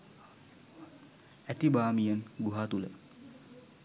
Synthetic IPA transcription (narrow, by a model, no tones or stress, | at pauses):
æt̪ibaːmijənɡuɦaːt̪ulə̰